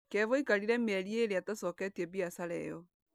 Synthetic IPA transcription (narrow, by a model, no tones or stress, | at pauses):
kɛvoikaɾiɾɛmɛɾieɾeatasɔːkɛtiɛbiasaɾɛ̰jɔ